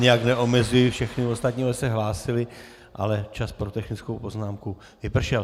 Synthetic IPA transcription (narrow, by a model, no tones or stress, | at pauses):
ɲɛjaknɛʔo̞mɛzujɪfʃɛxnɪvost̪at̪ɲiːɛsɛɦlaːsɪlɪ | ʔa̰lɛt͡ʃaspɾo̞t̪ɛxnɪt͡skowpo̞znaːmku | vɪpr̩ʃɛl